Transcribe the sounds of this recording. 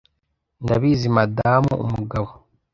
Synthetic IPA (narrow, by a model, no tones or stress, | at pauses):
ndaβiːzimadaːmṵṵmuɡaβo